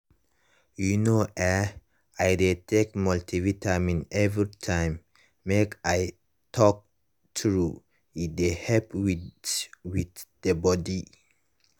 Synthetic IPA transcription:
junoʔɛ | ajdetʰek̚mɔltivitʰamĩnɛvɹitʰãɪ̃mː | ekaj | tʰɔk̚ | tʰɹu | idehɛlpwi | witd̥əbɔdi

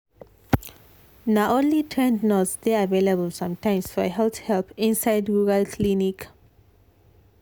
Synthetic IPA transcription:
naʔõnlitʰɹɛ̃ndnɔsdeavelabəlsʌ̃mtãɪ̃msfɔ̰ɦɛlθhɛlpĩnsaɪdɹuɹalkʰlinik

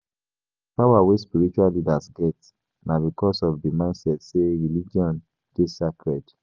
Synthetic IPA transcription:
pawawespiɹit͡ʃualidasɡɛt | nabikɔsɔfdimãɪ̃nsɛtseɹilid͡ʒiɔ̃n | d̥esakɹɛd

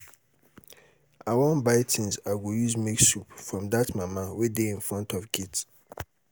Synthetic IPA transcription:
awɔ̃nbaɪtʰĩnzaɡojuzmeksupfɹɔ̃mdatmamawedeĩnfɹɔ̃ntʰɔvɡit

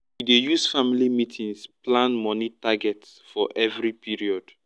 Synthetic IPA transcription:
widejusfamilimitʰĩŋsplãnmɔnitaɡɛtsfɔʔɛvɹipʰiɹiɔd̥

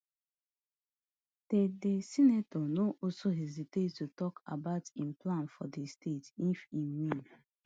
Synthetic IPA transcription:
tedesinatɔnoʔɔsoɦɛzitedtutɔka̰baʊtĩmplãnfɔdestʰetifĩnwĩn

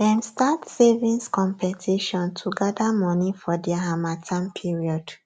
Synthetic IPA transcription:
dɛ̃mstatsevĩnskɔ̃mpɛtʰiʃɔ̃ntʰuɡadamɔ̃nifɔdɛaɦamatʰãmpʰiɹiɔd̥

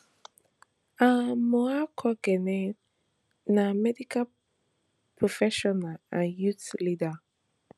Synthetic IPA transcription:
amɔakʰɔɡɛnɛ | namɛdikʰa | pʰɹofɛʃɔnalãnjutlida

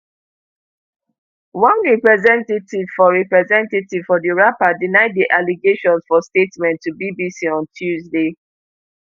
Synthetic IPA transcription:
wãnɹɛpɹɛzɛ̃ntetiv̥fɔɹɛpɹɛzɛ̃ntetiv̥fɔdiɹapadinaɪd̚diʔaliɡeʃɔ̃nsfɔstetmɛ̃ntʰːubibisiɔ̃ntʰjuzde

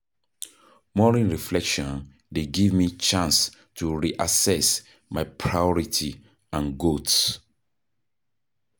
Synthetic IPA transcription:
mɔɹĩnɹiflɛkʃɔ̃n | deɡivmit͡ʃãns | tʰuɹiʔasɛs | maɪpʰɹajɔɹitʰi | ãnɡuts

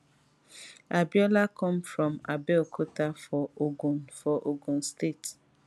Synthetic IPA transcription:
abjɔlakɔ̃mfɾɔ̃mabɛkʰotafɔoɡufɔʔoɡun̩stet

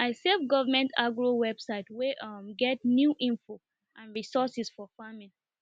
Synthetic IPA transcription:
ʔaɪsevɡɔvamɛ̃ntʰaɡɹowɛbsaɪtweʔmɡɛt̚njuʔĩnfo | ʔãnɹisɔsisfɔfamĩn

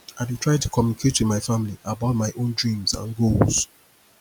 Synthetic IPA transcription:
aɪditʰɹaɪtʰu̥kʰɔmunikʰetwɪmaɪfãmiliʔabaʊt̚maɪʔõndɹĩmzã̰nɡolz̥

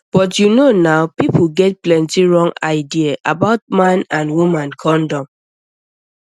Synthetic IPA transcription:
b̥ɔtjunonaʊpipɡɛt̚plɛ̃ntiɹɔ̃ŋaɪdiaʔabaʊt̚mãnãnwumãnkʰɔ̃ndɔ̃m

